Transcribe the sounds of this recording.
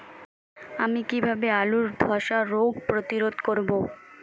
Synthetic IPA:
amikibʱabealuɾd̪ʱɔʃaɾoɡpɾot̪iɾod̪koɾbo

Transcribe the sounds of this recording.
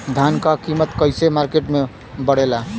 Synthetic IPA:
d̪ʱankakimət̪kəjsemaɾkeʈme | bəɽela

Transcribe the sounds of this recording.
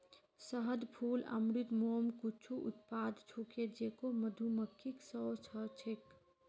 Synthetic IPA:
səɦəd̪pʰuːlɐ̰mɾit̪moːmkʊt͡ʃʰuʔʊ̰t̪paːd̪t͡ʃʰuked͡ʒeːkoməd̪ʱuməkʰːiksɔːt͡ʃʰət͡ʃʰek

